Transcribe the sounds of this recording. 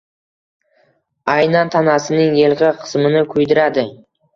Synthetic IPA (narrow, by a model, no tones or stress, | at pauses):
ajnant̪ʰanasɪnɪŋjelˠqɪqʰɨ̥smɪnɪkʰʊjd̪ɪɾad̪ɪ